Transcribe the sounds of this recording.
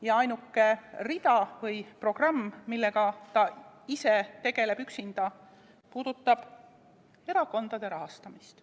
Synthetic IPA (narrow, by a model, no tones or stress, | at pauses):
jɑɑjnukːe̞rid̪̥ɑvɤjpro̞ɡ̥rɑmːmilːeɡ̥ɑt̪ɑise̞t̪e̞ɡ̥e̞le̞byksind̪̥ɑ | puːd̪̥ut̪ˑːɑb̥ | e̞ɾɑko̞nd̪̥ɑd̪̥e̞ɾɑɦɑst̪ɑmist̪